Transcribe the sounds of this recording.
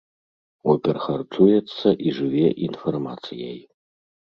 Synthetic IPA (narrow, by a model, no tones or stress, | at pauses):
ɔpʲɛrxɐrtt̪ʰujɛt̪sːɐʔiʐɨvʲɛʔinfɐrmat̪sɨjaj